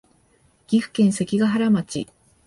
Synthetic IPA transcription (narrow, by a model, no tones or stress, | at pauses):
ɡ̥ʲiɸɯ̟̥kẽ̞ɰ̃se̞kʲiɡaɦaɾamat͡ɕḭ